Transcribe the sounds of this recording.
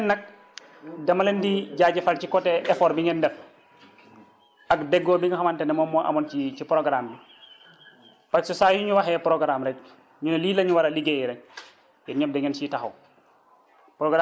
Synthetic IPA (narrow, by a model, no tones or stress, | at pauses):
nːɐk̚ | dɐmɐlɛndiɟaːɟɛfalcikɔtɛʔɛfɔːɾbiŋɛndɛf | ɐkdɛɡːɔːbiŋɡɐxɐmantɛnɛmɔːmɔʔɐ̰mɔncicipɾɔɡɾambi | paksɔsajuɲuwaxɛpɾɔɡɾamɾɛk̚ | ɲunliːlɐɲuwɐɾɐliɡejɾɛɲ̚ | jɛɲɔp̚dɛŋɛnsitaxɐ̰w | pɾɔɡɾa